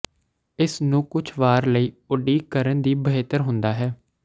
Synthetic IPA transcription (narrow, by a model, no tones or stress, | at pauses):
ɪsnũːkʊt͡ʃʰʋaːɾləiːʊɖiːkəɾənd̪iːbəɦeːt̪əɾɦʊ̃nd̪aːɦɛː